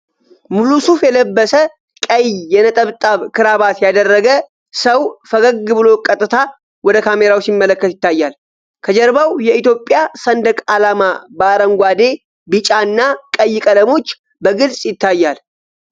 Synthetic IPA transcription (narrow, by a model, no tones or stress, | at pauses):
mulusufjɛləbːəsə | kʼəjjɛnət̪ʼəβt̪ʼaβkʰɨɾaβat̪jad̪ərːəɡə | səwfəɡəɡːɨβɨlo̞kʼət̪ʼːɨt̪ʰa | wɔd̪əkʰame̞ɾawsimːələkːət̪jɪt̪ʰːajːal | kʰəd͡ʒɛɾbawjɛit̪jo̞pʼːjasənd̪əkʼalamabəaɾəŋɡʷad̪e̞ | bɨt͡ʃʼaɨnːakʼəjːɪkʼələmo̞t͡ʃː | bəɡɨlsʼjɪt̪ʰːajːal